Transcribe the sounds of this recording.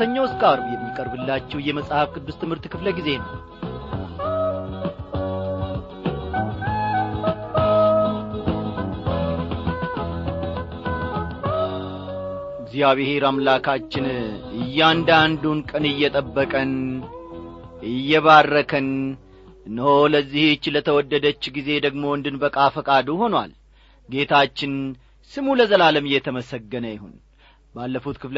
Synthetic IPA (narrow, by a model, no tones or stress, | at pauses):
səɲːawɨskʼaɾbjɛmːikʼəɾbɨlːat͡ʃːɛwjɛməsʼhafkʰɨd̪ːɨzt̪ʰɨmhɨɾt̪kʰɨfləɡize̞nəw | ɨɡzijaβɪheɾamlakʰat͡ʃːɪnɨjːɛand̪and̪unkʼənɨjːɛt̪ʼəbːəkʼən | ɨjːɛβarːəkʰən | ɨnːholəzːiht͡ʃːlət̪ʰəwɔd̪ːəd̪ət͡ʃːɡize̞d̪əɡmo̞ɨnd̪ɨnbəkʼafəkʼad̪uho̞nwa̰l | ɡe̞t̪ʰat͡ʃːɪn | sɨmuləzəlaləmɨjːɛt̪ʰəməsəɡːənəjɪho̰n | balːəfut̪kʰɨfl